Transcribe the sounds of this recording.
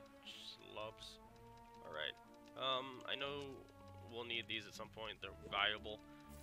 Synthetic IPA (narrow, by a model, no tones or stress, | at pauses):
slʌps | ʔɑ̰lˠɹa̰ɪt̚ | ʔʌ̃ma̰ɪnoʊ | wilˠnid̪̚ðizɨtsʌ̃mpʰɔ̃ɪ̃nðə˞vælˠjəbl̩ˠ